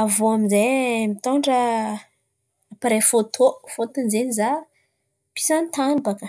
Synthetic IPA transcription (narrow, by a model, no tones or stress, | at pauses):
avoaminzemit̪ɔɳɖ͡ʐə | apaɾefot̪ʰofot̪unzeniza | pi̥sant̪anbakə